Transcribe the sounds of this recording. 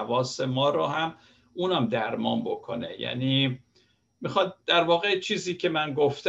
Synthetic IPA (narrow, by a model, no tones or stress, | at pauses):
vɒːsemɒːɾohæm | uːnæmd̪æɾmɒːnbo̞kʰo̞̰nḛjæ̰niː | mixɒːd̪d̪̥æɾvɒːɣet͡ʃʰiːziːcʰe̞mænɡoft̪